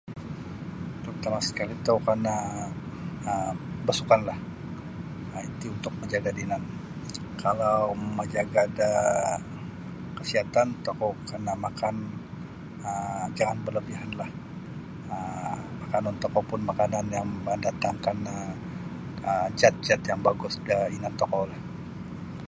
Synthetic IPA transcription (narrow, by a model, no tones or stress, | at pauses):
p̪ɾut̪amasə̥kalit̪əkarna | əbəasukanlah | əit̪iunt̪ʊk̚məɲd͡ʒaɡadinan | kalawməd͡ʒaɡaːda | kəsiɦat̪ant̪okokərnamakan | əd͡ʒaŋanbərləbiɦanlah | əmakanant̪ɔkɔpʊnmakananjaŋmədat̪aŋkanə | əd͡ʒat̪̚t͡ʃat̪jaŋbaɡʊsdəinant̪ɔkolah